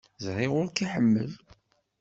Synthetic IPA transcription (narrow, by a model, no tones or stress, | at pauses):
zʁˤiʁʊɾkiħəmːə̰l